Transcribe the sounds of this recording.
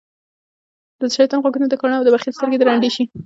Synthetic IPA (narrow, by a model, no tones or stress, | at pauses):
d̪əzʃaɾit̪ɑnɣwaɡunod̪əkɑnɑawd̪əbaxilst̪əɾɡed̪əɾaɳɖeʃi